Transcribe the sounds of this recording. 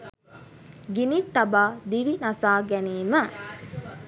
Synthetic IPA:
ɡinit̪ːabaːd̪iʋinasaːɡæneːmə

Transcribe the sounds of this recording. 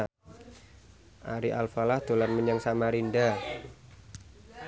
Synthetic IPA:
ʔaɾiʔalfalahd̪̥o̤larməɲaŋsamaɾinda

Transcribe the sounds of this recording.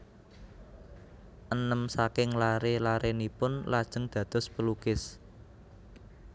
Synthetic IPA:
ʔənəmsakɪŋlaɾelaɾenipʊnlad̥ʒ̥ə̤ŋd̪̥ä̤d̪̥ɔ̤spəlukɪs

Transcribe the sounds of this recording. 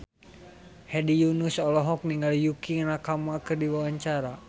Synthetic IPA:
hɛdijunusɔlɔɦɔk̚niŋɡaljukiŋnakamakɨrdiwawaɲt͡ʃaɾa

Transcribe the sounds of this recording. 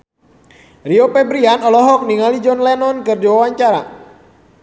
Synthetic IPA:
riopɛbɾianɔlɔɦɔk̚niŋalid͡ʒɔnlɛnɔnkɨrdiwawaɲt͡ʃaɾa̰

